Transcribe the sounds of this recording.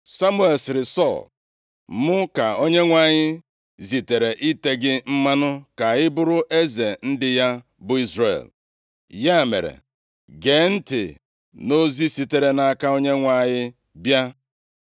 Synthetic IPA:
sa˦mu˦e˨lsɪ˨ɾɪ˨sɔ˦˨l | mʊ˦ka˨o˦ɲe˦ŋʷa˦˨ɲɪ˦ | zi˨te˨ɾe˨ʔi˦te˦ɡɪ˦m̩˦ma˦nʊ˦ka˨ɪ˦bʊ˦ɾʊ˦ʔe˦ze˨n̩˦dɪ˦ja˦ | bʊ˨i˦zrḛ˨l | ja˦˨mḛ˨ɾḛ˨ | ɡe˨˦n̩˦tɪ̰˨ | no˦zi˦si˨te˨ɾe˨na˨˦ka˦o˦ɲe˦ŋʷa˨˦˨ɲɪ˦ | bja˦

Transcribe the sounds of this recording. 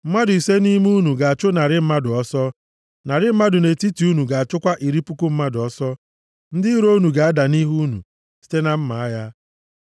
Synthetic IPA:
m̩˦ma˦dʊ˨i˨se˦ni˦mu˦nu˨ɡa˨a˨t͡ʃʊ˦na˨ɾɪ˦m̩˦ma˦dʊ˨ɔ˦sɔ˦ | na˨ɾɪ˦m̩˦ma˦dʊ˨ne˨ti˦ti˨u˦nu˨ɡa˨a˨t͡ʃʊ˦kʷa˦ʔi˨ɾi˦pu˦kʊ˦m̩˦ma˦dʊ˨ɔ˦sɔ˦ | n̩˦dɪ˦i˦ɾo˦nu˨ɡa˨a˦da˨ni˦ɦu˦nṵ˨ | si̥˦te˦na˨m̩˦ma˨a˦ja˦

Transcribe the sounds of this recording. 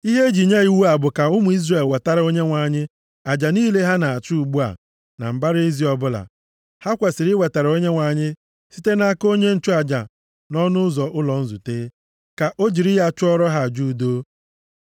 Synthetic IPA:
i˦ɦe˦e˦d͡ʒi˨ɲe˦i˨wu˦a˨bʊ˨ka˨ʊ˦mʊ˨i˦zɾe˨lwe˨ta˦ɾa˨˦o˦ɲe˦ŋʷa˨ɲɪ˦ | a˨d͡ʒa˨niː˦le˦ɦa˦na˨a˨t͡ʃu˦u˨ɡ͡bu˦a̰˨ | na̰˨m̩˨ba˦ɾe˦zi˨˦ɔ˨bʊ˦la̰˨ | ha˦kʷe˨sɪ˨ɾɪ˦we˨ta˨ɾo˦ɲe˦ŋʷa˨ɲɪ˦ | si˦te˦na˦ko˦ɲe˦n̩˦t͡ʃʊ˦a˨d͡ʒa˨ | nɔ˦nʊ˦ʊ˦zɔ˨ʔʊ˦lɔ˨n̩˦zṵ˨teː˦ | ka˨ʔo˦d͡ʒi˨ɾɪ˦ja˦˨t͡ʃʊ˦ɔ˦ɾɔ˦ɦa˨d͡ʒu˦˨do˦

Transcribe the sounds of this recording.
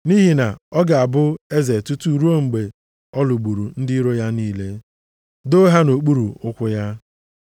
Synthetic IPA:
ni˦ɦi˨na˨ɔ˦ɡa˨a˨bʊ˦e˦ze˨tu˦tu˨ɾu˦o˦ŋ͡m̩˨ɡ͡be˨ | ɔ˦lu˨ɡ͡bu˨ɾu˨n̩˦dɪ˦ɾo˦ja˦niː˦le˦ | do˦ɦa˦no˨k͡pu˦ɾu˨ʊ˦kʷʊ˦ja˦

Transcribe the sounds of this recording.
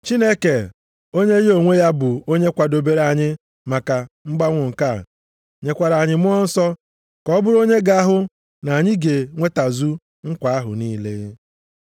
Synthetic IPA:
t͡ʃi˦ne˦ke˨ | o˦ɲe˦jo˨ŋʷe˦ja˦bʊ˨o˦ɲe˦kʷa˨do˨be˦ɾa˨ɲɪ˦ | ma˨ka˨ŋ͡m̩˦ɡ͡ba˦ŋʷʊ˨ŋ̩˨ka˦˨ | ɲe˨kʷa˨ɾa˨ɲɪ˨mʊ˦ɔ˦n̩˦sɔ˦ | kɔ˦bʊ˦ɾo˦ɲe˦ɡa˦a˦ɦʊ˦ | na˨ɲɪ˦ɡe˨ŋʷe˦ta˨zu˦ | ŋ̩˦kʷa˨a˦ɦʊ̰˨niː˦le˦

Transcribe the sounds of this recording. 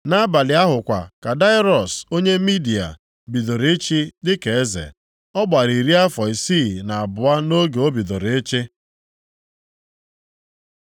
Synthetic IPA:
na˦ba˨lɪ˨a˦ɦʊ˨kʷa̰˨ka˨da˦ɪ˦ɾɔ˨so˦ɲe˦mi˦di˨a̰˨ | bi˨ðo˨ɾe˦t͡ʃi˦dɪ˦ke˨e˦zḛ˨ | ɔ˦ɡ͡ba˨ɾi˨ɾi˦a˦fɔ˨i˨si˦˨na˨a˨bʊ˨a˦no˦ɡe˨o˦bi˨ðo˨ɾe˦t͡ʃɪ˦

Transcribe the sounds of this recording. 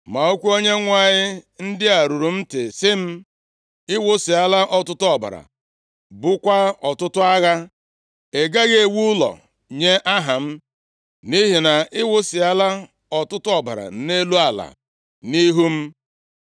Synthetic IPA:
ma˨o˦kʷu˦o˦ɲe˦ŋʷa˦ɲɪ˦n̩˦dɪ˦a˨ɾu˨ɾu˨m̩˦tɪ˨sɪ˦m̩˦ | ɪ˦wʊ˦sɪ˨a˦la˦ʔɔ˦tʊ˦tʊ˦ɔ˨ba̰˨ɾa̰˨ | bʊ˦kʷa˦ɔ˨tʊ˦tʊ˦a˦ɣa˦ | e˨ɡa˦ɣe˨wu˦lɔ̰˨ | ɲe˦ʔa˦ɦa˨m̩˦ | ni˦ɦi˨na˨ɪ˦wʊ˦sɪ˨a˦la˦ | ɔ˨tʊ˦tʊ˦ɔ˨ba̰˨ɾa̰˨˦ne˦lu˦a˨la̰˨ | ni˦ɦu˦m̩˦

